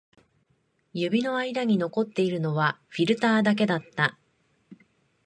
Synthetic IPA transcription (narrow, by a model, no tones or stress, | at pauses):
jɯbʲino̞aid̪aɲ̟ino̞ko̞t̪ːe̞iɾɯ̟no̞βaɸʲiɾɯ̟t̪aːd̪ak̬e̞d̪at̪ːa